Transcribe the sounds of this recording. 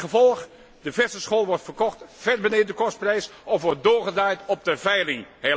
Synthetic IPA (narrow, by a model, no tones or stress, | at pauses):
əvɔlˠx | dəvɛstəsχoːlˠʋɔrtfərkɔχtfɛrbəneːədəkɔst̚prɛjsɔfʋɔɹt̚doːɹχədaːjtɔp̚dəvɛjlɪŋhe